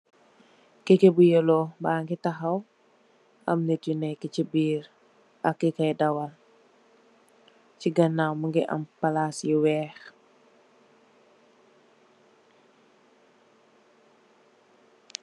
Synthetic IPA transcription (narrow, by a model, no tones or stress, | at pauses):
kekebujolobaːŋɡitaɦaw | amnetjunɛkicibiːɾ | a̰kːikajdawal | ciɡɐnːawmuŋɡiʔa̰mpalasjiwɛːx